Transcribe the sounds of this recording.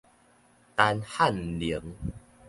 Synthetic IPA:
t̪a˧nha˥˨nli˨˦ə˦ŋ

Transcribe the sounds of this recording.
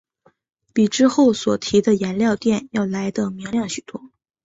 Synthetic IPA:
pi˨˩ʈ͡ʂɻ̩˥xo˥˩ʊswɔ˨˩t̪ʰi˧˥d̪ə˧jɛ˧˥nljɑ˥˧ʊt̪jɛ˥˧njɑ˥˩ʊla˧˥ɪd̪ə˧˩mi˧˥ŋljɑ˥˩ŋɕy˨˩t̪wɔ˥

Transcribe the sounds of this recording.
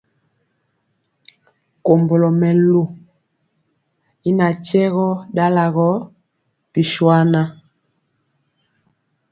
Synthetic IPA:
ko˨mbo˨lɔ˨mɛ˨lu˨ | i˦na˨t͡ʃɛ˦ɣɔ˦da˦la˨ɣɔ˦ | pi˨ʃwa˦na˦

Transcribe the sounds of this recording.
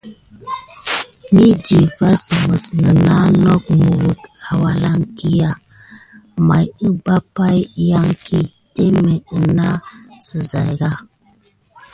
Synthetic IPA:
mi˦di˨va˦sə˨mə˨snə˨na˦no˦k̚mu˨ɾu˨ka˨wa˨la˦ŋki˦ja˦ | ma˨jə˦ba˦pa˦jja˦ŋki˦ | te˦me˨ə˨na˦sə˨za˨jɡa˦

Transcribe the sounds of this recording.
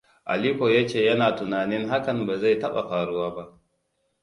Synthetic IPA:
ʔa̰˨liː˦ɸoː˨jaː˦t͡ʃeː˦˨jɐ˦naː˨tʊ˨naː˨nɪ˦ŋɦa˦kɐ˨mba˨za˦˨jtɐ˦ɓa̰˨ɸaː˨ɽʊ˦waː˦ba˦ʔ

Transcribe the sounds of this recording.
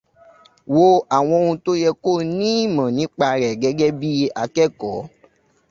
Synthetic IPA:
wo˧a˨w̃ɔ̃˧o˧ũ˧to˦jɛ˧ko˦˨nĩ˦˨mã˨nĩ˨˦k͡pa˧ɾɛ˨ɡɛ˨˧˦ɡɛ˦bi˦a˧kɛ˦˨kɔ˨˦

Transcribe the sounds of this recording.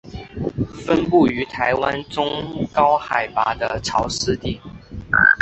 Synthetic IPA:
fə˦˥npu˥˩y˧˥t̪ʰa˧˥ɪwa˦˥nʈ͡ʂʊ˥ŋkɑ˥ʊxa˨˩ɪpa̰˧˥d̪ə˧ʈ͡ʂʰɑ˧˥ʊʂɻ̩˥˧t̪i˥˩

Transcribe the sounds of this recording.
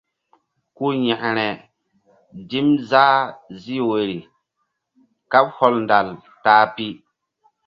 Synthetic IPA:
ku˦ɲɛ˨ʔɾɛ˨ | di˦mza˦zi˦we˨ɾi˨ | ka˦b̚hɔ˦lnda˨l | taː˦pi˦

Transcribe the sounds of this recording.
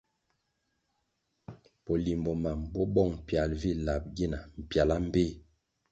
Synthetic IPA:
po˨li˨mbɔ˨ma˨mbɔ˦bɔ˦˨ŋ˨pja˨lvi˦la˨p̚ɡi˦na˨m̩˨pja˨la˦m̩˦be˦

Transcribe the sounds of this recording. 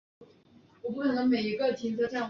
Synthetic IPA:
wɔ˨˩p̬u˥˩kʰɤ˨˩nə˧˥ŋme˨˩ɪi˧˥ɡə˥˧t̪ʰi˧˥nt͡sɤ˧˥ʈ͡ʂa˥˩n

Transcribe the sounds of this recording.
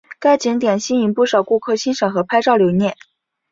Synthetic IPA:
ka˥ɪt͡ɕi˧˥ŋt̪jɛ˨˩nɕi˥ni˧˥npu˥˩ʂɑ˨˩ʊku˥˩kʰɤ˥˩ɕi˥nʂɤ˨˩xɤ˧˥pʰa˥ɪʈ͡ʂɑ˥˩ʊljo˧˥ʊnjɛ˥˩n

